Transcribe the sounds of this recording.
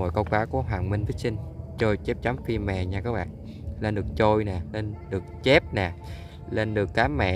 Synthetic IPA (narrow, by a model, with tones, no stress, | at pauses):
o̰˨jkə˧wkwaː˨˦ku˨˩˦ɦwaː˨˩nmï˧ŋt̪i˦˥sï˧ŋ̟t͡ɕo˧jt͡ɕɛ˦˥p̚t͡ɕa˨˦mfi˧mɛ̰˧˨ɲaː˧kaː˦˥k̚ɓa̰ː˧˨ŋ | le˧nɗɨ˨˩ək̚t͡ɕo˧jna˨˩le˧nɗɨ˨˩ək̚t͡ɕe˦˥p̚nɛ˨˩ | le˧nɗɨ˨˩əkːaː˨˦mɛ̰˧˨